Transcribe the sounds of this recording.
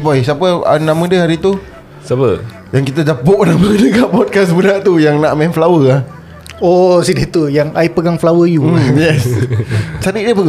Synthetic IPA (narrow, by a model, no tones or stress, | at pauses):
pajsapəa̰namədəɦaɾit̪u | sapə | jaŋkit̪ad͡ʒapoʔnamədəkaʔpɔd̚kasbədaʔt̪ujaŋnaʔmɛnflawəah | ɔsidit̪ujaŋajpəɡaŋflawəjujɛs | t͡ʃadiʔdəpəɡ